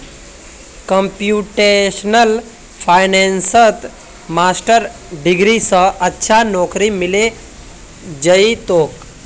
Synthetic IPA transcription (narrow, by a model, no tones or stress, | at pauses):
kəmpjuʈeʃnəl | pʰajnensət̪ | masʈəɾ | ɖiɡɾisəɐtːʃʰanɔːkɾimile | d͡ʒəit̪oːk